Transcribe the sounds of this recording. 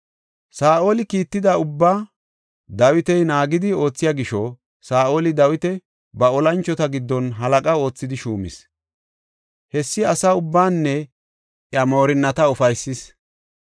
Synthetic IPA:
saːʔo̞ːlɪkiːt̪ːɪd̪ɐʊbːaː | d̪ɐwɪt̪ɛjnaːɡɪd̪ɪo̞ːt͡sːɪjaːɡɪʃɔ | saːʔoːlɪd̪ɐwɪt̪ɛ | bɐɔlɐnt͡ʃːɔt̪ɐɡɪd̪ːɔnɦɐlɐkʼɐo̞ːt͡sːɪd̪ɪʃuːmɪ̰s | hɛsːɪɐsaʊbːaːnːɛ | ʔjɐmo̞ːɾɪnːɐt̪ɐɔfɐjsːɪs

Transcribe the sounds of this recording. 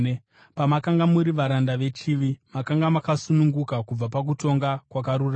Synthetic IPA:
pamakaŋɡamuɾiʋaɾandaʋe̞t͡ʃiʋimakaŋɡamakasunuŋɡukakub͡vapak̬uto̞ŋɡakwakaɾura

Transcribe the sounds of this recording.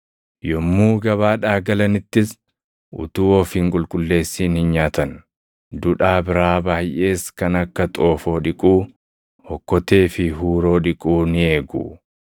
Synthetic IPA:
jɔmːuːɡɐβaːᶑaːɡɐlɐnɪt̪ːɪs | ʔʊ̰t̪uːɔfiːŋkʼʊlkʼʊlːe̞ːsːiːnhɪnɲaːt̪ɐn | d̪ʊᶑaːbɪɾaːbaːjʔe̞ːskɐnɐkːɐt̪ʼo̞ːfo̞ːᶑɪkʼuː | hɔkːɔt̪e̞ːfɪɦuːɾo̞ːᶑɪkʼuːnɪe̞ːɡṵː

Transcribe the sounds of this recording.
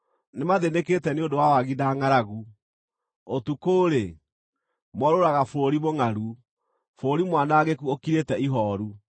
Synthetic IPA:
nemaðeneketɛneondowawaɣinaːŋaɾaɣu | otukoːɾe | mwɔɾoɾaɣafɾoɾimoŋaɾu | fɾoɾimwanaɣekuokiɾetɛiɦɔːɾu

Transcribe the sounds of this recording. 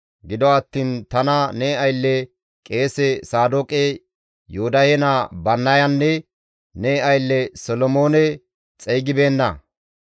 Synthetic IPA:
ɡɪd̪ɔɐt̪ːiːnt̪ɐnɐnɛːɐjlːɛ | kʼeːsɛsaːd̪okʼɛ | jod̪ɐhɛnabɐnːɐjɐnːɛ | nɛɐjlːɛsɔlɔmoːnɛ | t͡sʼɛjɡɪbeːnːɐ

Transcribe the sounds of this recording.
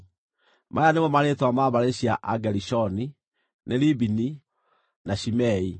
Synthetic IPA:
mʔajanemɔmaɾetwamaβaɾeɕiaʔaɡɛɾiɕɔni | neɾibini | naɕimɛi

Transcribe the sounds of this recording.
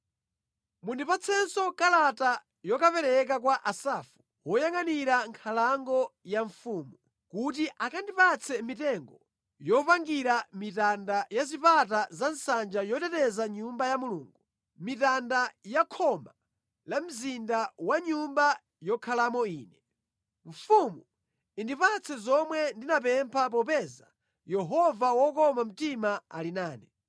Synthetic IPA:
mundipat͡sʰɛnsɔkalata | jɔkapɛɾɛk̬ak̬waʔasaːfu̥ | wɔjaŋaniɾaŋkʰalaŋɡɔjaɱfuːmu | kutiʔakandipat͡sʰɛmitɛŋɡɔ | jɔpaŋɡiɾamitandajazipatazansand͡ʒajɔtɛtɛzaɲumbajamuluːŋɡu | mitandajakʰɔma | lam̩zindawaɲumba | jɔkʰalamɔiːnɛ | ɱfumu | indipat͡sʰɛzɔmwɛndinap̬ɛmpʰap̬ɔpɛza | jɛɦɔvawɔkɔmam̩timaa̰linaːnɛ

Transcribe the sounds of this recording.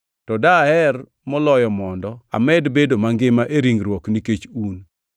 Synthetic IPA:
tɔdaɛr | mɔlɔjɔmɔndɔa̰mɛdbedomaŋɡɪmaʔeɾiŋɡɾwɔkniket͡ʃun

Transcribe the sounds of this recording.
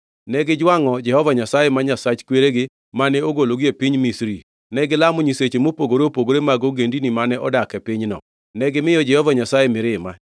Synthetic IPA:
nɛɡɪd͡ʒwaŋɔd͡ʒɛhɔvaɲasajemaɲasat͡ʃkweɾeɡɪ | manɛoɡoloɡiepɪɲmisɾi | nɛɡɪlamɔɲiset͡ʃemopoɡoɾeopoɡoɾemaɡoɡendinimanɛʔɔdakɛpɪɲnɔ̰ | nɛɡɪmɪjɔd͡ʒɛhɔvaɲasajemɪɾɪma̰

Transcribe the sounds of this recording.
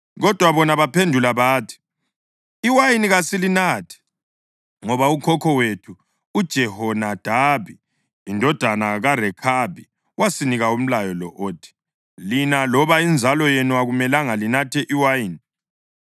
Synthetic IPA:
ɣɔd̥ʱwaβɔnaβapʰendʱulaβaːtʰi̥ | iwajiniɣasilinaːtʰɛ̥ | ŋɔβaukʰɔkʰɔwetʰuː | d̥ʒ̥ʱɛhɔnad̥ʱaβiː | ndʱɔd̥ʱanaɣarɛkʰabi | wasiniɣaum̩lajɔlɔʔoːtʰi̥ | linalɔβaind͡zʱalɔjenuaɣumɛlaŋalinatʰɛʔiwajiːni

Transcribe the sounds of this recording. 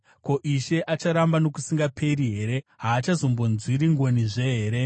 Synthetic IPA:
ko̞ʔiʃe̞ʔat͡ʃaɾambano̞kusiŋɡapʰe̞ɾiɦe̞ːɾe̞ɦaːt͡ʃazo̞mbo̞nzwiɾiŋɡo̞niʐe̞ɦeːɾe̞

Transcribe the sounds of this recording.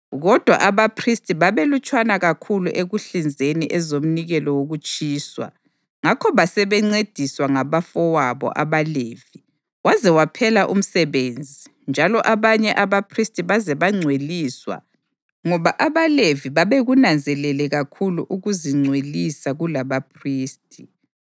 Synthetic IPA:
ɣɔd̥ʱwa̰ʔaβapʰristʼiβaβelut͡ʃʼwanaɣakʰuluʔeɣuɬind͡zʱeniʔɛzom̩niɣɛlɔwoɣut͡ʃʼiːswa̰ | ŋakʰɔβasɛβɛŋ͡ǀed̥ʱiswaŋaβafɔwaβɔ̰ʔaβaleːvi | wazɛwapʰɛlaʔṵm̩sɛβend͡zʱi | nd͡ʒʱalɔʔaβaɲɛʔaβapʰristʼiβazɛβaŋ͡ǀʱweliːswa̰ | ŋɔβaʔaβaleviβaβeɣunand͡zʱɛlɛlɛɣakʰuluʔuɣuziŋ͡ǀʱwelisaɣulaβapʰriːstʼi

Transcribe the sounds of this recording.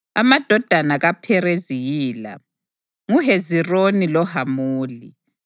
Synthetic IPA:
amad̥ʱɔd̥ʱanaɣapʰɛɾeziɣiːla̰ | ŋuɦezironilɔhamuːlḭ

